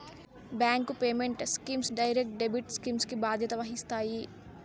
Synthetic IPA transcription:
bɛ̃ːŋkːopeːmẽɳʈskimsɖaːɪɾek̚ʈ̚ɖeːbiʈskimskibaːd̪jet̪ɐʋaːɦist̪aːi

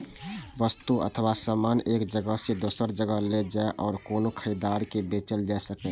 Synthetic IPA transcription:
ʋəst̪uʔə̰t̪ʰəʋasaːmaːneːkd͡ʒəɡəɦsed̪oːsəɾd͡ʒəɡəled͡ʒaeʔɔːɾkoːnokʰəid̪aːɾkebeːt͡ʃəld͡ʒaesəkɛ̃

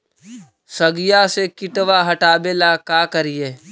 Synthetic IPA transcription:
səɡɪjasekɪʈʋaɦɐʈaːbeːlakaːkəɾieː

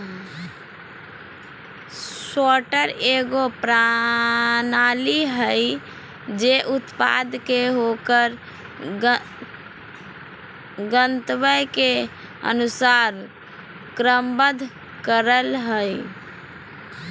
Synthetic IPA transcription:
soʈəɾeɡopɾa | naliɦəj | d͡ʒeʔut̪pa̰d̪keɦokəɾ | ɡənt̪bəjke | ə̰nusaɾ | kɾəmbəd̪ʱ | kəɾəlɦəj

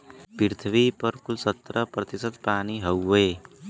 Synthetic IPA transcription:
piɾt̪ʰbipʌɾkulsʌt̪rʌprʌt̪isʌt̪paniɦʌwe

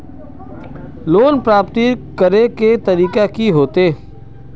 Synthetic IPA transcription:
loːnpɾaːpt̪ikəɾeket̪ɐɾiːkakiɦoːt̪eː

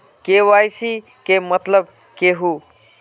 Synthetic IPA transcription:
kewajsi | kemət̪ləb | keɦu

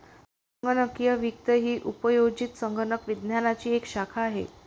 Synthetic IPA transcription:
səəŋɡənəkjəʋikt̪əɦiːʔupəjod͡ʑit̪səŋɡənəkʋid̪njanat͡ɕiːekɕakʰaːɦḛ

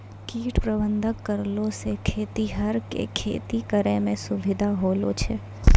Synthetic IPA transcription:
kiːʈpɾəbə̃nd̪ʱəkːəɾlosekʰeːt̪iɦəɾkḛkʰḛːt̪ikəɾemẽsʊʋɪd̪ʱaɦoːlo̰t͡ʃʰeː

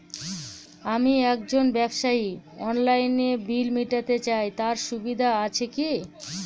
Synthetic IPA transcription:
amiɛk̚d͡ʑonbɛbʃaiɔnlajnebilmiʈat̪et͡ɕaejt̪aɾʃubid̪ʱaat͡ɕʰeki

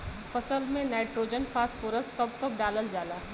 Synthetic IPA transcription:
fɐsəlmẽnaːɪʈɾoːd͡ʒənfʰaːsfoːɾəsʈkɐpkəp̚ɖaːləld͡ʒaːlaːɦ

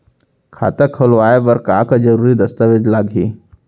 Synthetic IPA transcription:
kʰa̰ːt̪əkʰəlʋaːeʋəɾkaːkd͡ʒɐɾuːɾid̪ɐst̪əʋed͡ʒlaːɡɦiː

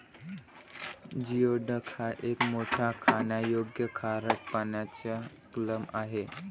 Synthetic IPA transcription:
d͡ʑioɖəkʰaʔekmoʈʰakʰanjajoɡjəkʰaɾəʈ̚panjat͡ɕa | kləmaɦe

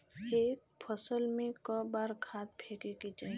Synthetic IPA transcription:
eːkpʰəsəlmẽkəbaɾkʰaːt̪̚pʰekekid͡ʒaːi

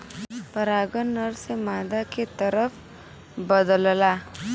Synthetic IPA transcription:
pəɾaːɡənːəɾsemaːd̪aket̪əɾəf | bəd̪əlla

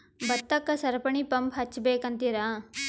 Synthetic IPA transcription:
bɐt̪ːɐkːɐsɐɾɐpɐɳipɐmpɦɐt͡ʃːbeːkɐnt̪iɾaː

